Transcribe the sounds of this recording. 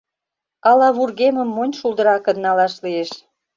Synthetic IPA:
ɑlɑβurɣeməmːonʲʃulˠd̪ə̆ɾɑkə̆nːɑlɑʃlieʃ

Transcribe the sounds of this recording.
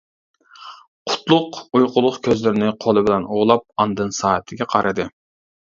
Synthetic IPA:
qʰʊ̥t̪lˠʊqujqʊlˠʊχkʲʰøzlɪɾɪnɪqʰolˠɨbɪlɛnoʁlˠɑp̚ɑnd̪ɨnsɑːət̪ʰɪɡʲɛqʰɑɾʔɨd̪ɨ

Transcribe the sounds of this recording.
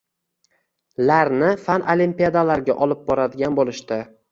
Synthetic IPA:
laɾnɪfanʔolimpijad̪alaɾɡʲaʔɒlˠɪp̚bɒɾad̪ɪɡʲanbolˠɪʃt̪ɪ

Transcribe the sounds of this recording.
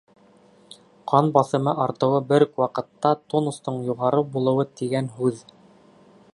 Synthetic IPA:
qʰɑnbɑθɤ̆mɤʔɑɾt̪ɤ̆wɤbɘɾkwɑqɤ̆t̪ːɑt̪onust̪ɤɴjuʁɑɾɤbulˠɤ̆wɤt̪iɡænɦʉð

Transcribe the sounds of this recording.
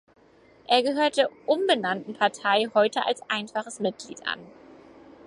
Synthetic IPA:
ʔeːɐɡəɦøːɐt̚d̥eːɐʔʊnbənantn̩pʰaɐtʰaɪhɔʏtəʔa̰lsʔaɪnfaχəsmɪt̚ɡ̥lḭːtʔa̰n

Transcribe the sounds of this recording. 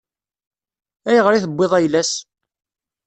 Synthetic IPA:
æjʁɾiθəbʷːeðˤæjlæs

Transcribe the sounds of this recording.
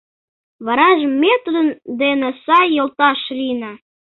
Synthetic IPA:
βɑɾɑʒmet̪rənd̪enesɑjːolt̪ɑʃlinɑ

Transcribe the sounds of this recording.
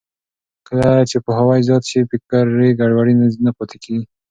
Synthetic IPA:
kəlat͡ʃepəɦawajzɑt̪ʃipɪkaɾːeɡaɽwaɽinaznapot̪ʰekʰii

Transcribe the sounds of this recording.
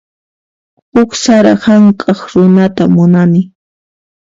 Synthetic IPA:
hʊksaɾahaŋkʼɑχɾʊnat̪amʊnanɪ

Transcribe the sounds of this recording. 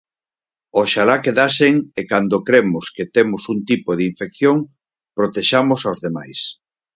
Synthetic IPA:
oʃalakeðaseŋekand̪okɾemʊsket̪emʊsunt̪ipoðiɱfek̚θjoŋ | pɾot̪eʃamʊsawzðema̰js

